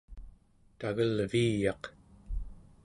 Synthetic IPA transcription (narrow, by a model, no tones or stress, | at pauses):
t̪aɣəlviːjɑq